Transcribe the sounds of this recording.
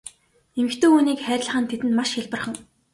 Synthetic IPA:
emɘ̆xt̪ɵːuːniːkχæːɾʲɪ̆ɮ̆χə̆nt̪ʰet̪ɘ̆nmaʃxʲaɮpə̆rχə̆ŋ

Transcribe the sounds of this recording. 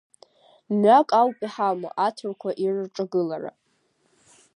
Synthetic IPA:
makʼawpʼiħama̰ʔatʰɨrkʷʰaʔirʈ͡ʂʼaɡɨlara̰

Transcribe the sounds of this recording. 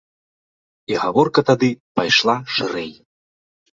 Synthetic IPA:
iɣavɔrkɐt̪ad̪ɨpajʂlˠaʂɨɾɛj

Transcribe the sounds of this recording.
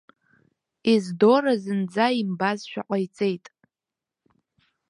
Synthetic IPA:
izdo̞ɾazɨnd͡zaimbazʃᶣa̰qʼajt͡sʼejtʼ

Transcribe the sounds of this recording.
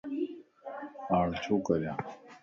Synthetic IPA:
aːɳt͡ɕʰoːkəɾjãː

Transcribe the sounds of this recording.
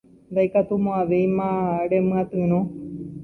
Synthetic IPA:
nd̪ajkat̪umõaʋejmãɾemɨ̃ãt̪ɨ̃ɾ̃õ

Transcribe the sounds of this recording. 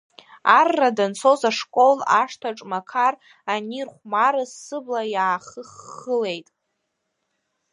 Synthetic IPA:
arːadant͡sʰozaʂkʷʼo̞laʂtʰaʈ͡ʂʼmakʰar | anirχʷmaɾɨsːɨblajaːχəχːəle̞jtʼ

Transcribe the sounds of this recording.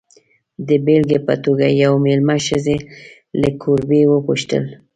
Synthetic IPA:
d̪əbelɡepa̰t̪oɡajawmelmaʃəze | ləkʰuɾbewəpuʃt̪ə̰l

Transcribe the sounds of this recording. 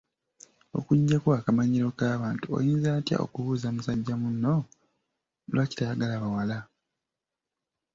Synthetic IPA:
o̞̰kuɟːakoakamaɲiɾo̞kaːβaːntuo̰jiːnzaːtja̰ʔo̞̰kuβuːzamusaɟːamunːo̞ | lwaci̥taːɡalaβawala

